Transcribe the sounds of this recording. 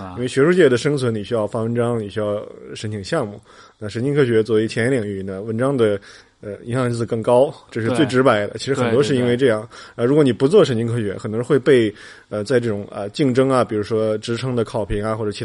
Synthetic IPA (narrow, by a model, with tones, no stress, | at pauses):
inwe˧˩ɪɕɥɛ˧˥ʂu˥˧t͡ɕjɛ˥˩d̪ə˩ʂɤ˥ŋt͡sʰwə˧˥ni˨˩ɕy˥jɑ˥˩ʊfa˥˩wə˧˥nʈ͡ʂɑ˥ŋni˨˩ɕy˥jɑ˥˩ʊʂə˧˥nt̪ʰi˨˩ŋ˦ɕjɑ˥˧ŋmu˥˩ | na˥˩ʂə˧˥nt͡ɕi˥ŋkʰɤ˥ɕɥɛ˧˥t͡swɔ˥˩e˥t͡ɕʰjɛ˧˥njɛ˧˥ljɑ˨˩ŋy˥˩˦nə˧wə˧˥nʈ͡ʂɑ˥ŋd̪ə˨ | ə˧˩i˧˥ŋɕjɑ˥˧ŋ˧˥t͡ssɹ̩˧˩kɤ˥˩ŋkɑ˥ʊʈ͡ʂɤ˥˧ʂɻ̩˧t͡swe˥˩ɪʈ͡ʂɻ̩˧˥pa˨˩˥ɪd̪ə̰˧t͡ɕʰi˧˥ʂɻxə˨˩nt̪wɔ˥ʂɻ̩˥˧i˥nwe˥˧ɪʈ͡ʂɤ˥˧jɑ˥˩ŋna˧˥ɻu˧˥kwni˨˩pu˧˥t͡swɔ˥˩ʂ̬ə˧˥nt͡ɕi˥ŋkʰɤ˥ɕɥɛ˧˥xə˨˩nt̪wɔ˥xwe˥˧ɪpe˥˧ɪ | ə˧t͡sa˥˧ɪʈ͡ʂɤ˥˩ʈ͡ʂʊ˨˩˦ŋə̰˧t͡ɕi˥˩ŋʈ͡ʂɤ˥ŋɐ˨pi˨˩ɻu˧˥ʂwɔ˥ʈ͡ʂɻ̩˧˥ʈ͡ʂʰɤ˧˥ŋd̪ə˨kʰɑ˨˩ʊpʰi˧˥ŋa˧xwɔ˥˩ʈ͡ʂɤ˨˩t͡ɕʰi˧˥